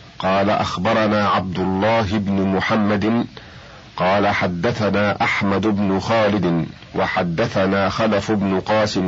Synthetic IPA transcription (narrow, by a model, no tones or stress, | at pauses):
qɑːlaʔaxbɑɾˤɑnaːʕab̚d̪ʊlˤːɑːɦɪbnʊmʊħamːad̪ɪn | qɑːlaħad̪ːaθanaːʔaħmad̪ʊbnʊxaːlɪd̪ɪn | wʔaħad̪ːaθanaːxalafʊbnʊqɑːsɪm